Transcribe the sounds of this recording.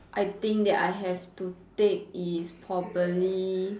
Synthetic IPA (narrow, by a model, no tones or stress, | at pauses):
ʔajt̪ĩŋk̚d̪ɛtajɦɛftut̪ek̚ispʰɹɔpəli